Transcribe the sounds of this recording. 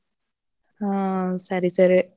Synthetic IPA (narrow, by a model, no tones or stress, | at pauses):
asɐɾisɐɾi